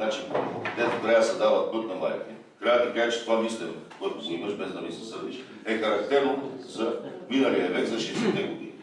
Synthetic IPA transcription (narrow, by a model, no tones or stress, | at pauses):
at͡ʃid̪ɛd̪oɡ̪ɾɛasɛd̪avɐt̪̚pɤt̪nɐlˠa̰jit̪ɛ | kɾat̪ikat͡ʃɛ̥t̪ovamislɛkoɛt̪ʊznimɐʃbɛzd̪ɐmisɛsɤɾd̪iʃ | ɛxɐɾɐk̚t̪ɛɾnozɐminɐliɐvɛkzɐʃɛsɛt̪ɛɡod̪i